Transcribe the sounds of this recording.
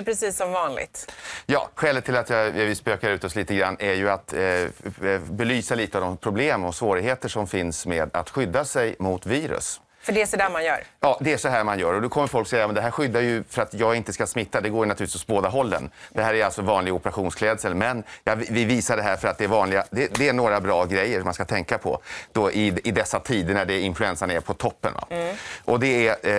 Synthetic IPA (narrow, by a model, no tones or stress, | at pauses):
pʰɾɛsiːsːɔmvɑːnlɪ̰ɡt̪jɑ̰ːɧɛːlət̪ʰːɪlat̪jɑvɪspøːkaɾʉ̟ːt̪ɔsliːt̪əɡɾanːæɾjɵat̪ | bɛlyːsaliːt̪əavd̪ɔmpʰɾʊbleːmd̪ɔmsvoːɾɪɡɦheːt̪əʂɔmfɪnsmeːd̪a̰t̪ɧʏd̪ːasɛjmʊt̪viːɾɵ̰s | fœɖɛæʂɔd̪æːmanjœ̰ːɾjɑːd̪ɛæʂɔɦæːɾmanjœːɾɔd̪ɔkʰɔmːəɾfɔlksɛjɑmɛnd̪ɛɦæːɾɧʏd̪ːajɵfœɾat̪jɑːɡɪnt̪əskasmɪt̪ːad̪ɛɡoːɾjɵnat̪ʉɾt̪ːɪsɔsboːd̪aɦɔlːə̰nd̪ɛɦæːɾæjalsɔvɑːnlɪɡɔpəɾaɧuːnskʰlɛːd̪səlmɛnjɑːvɪviːsaɖɛɦæːɾfœɾat̪̚d̪ɛːɾvɑːnlɪɡad̪ɛd̪ɛːnoːɾabɾɑːɡɾɛjːəʂmanskat̪ʰɛŋkapʰɔ̰d̪̥oʔɪɪd̪ɛsːat̪ʰiːd̪əɳæɖɛɪnflɵɛnsanaɛɾpʰɔt̪ʰɔpːə̰nva̰ʔɔd̪ɛæ